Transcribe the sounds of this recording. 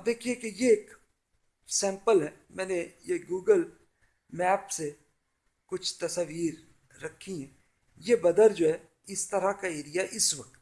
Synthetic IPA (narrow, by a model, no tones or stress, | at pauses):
b̚d̪eːkʰiekejeːk | sɛ̃ːmpəlɦɛːmɛ̃ːnejeɡuːɡəl | mɛːpse | kʊt͡ʃʰt̪ɐsəʋiːɾː | ɐkʰːiɦɛ̃ː | jebɐd̪əɾd͡ʒoːɦɛ | ɪst̪ɐɾakaeːɾijaʔɪsʋɐk̚t̪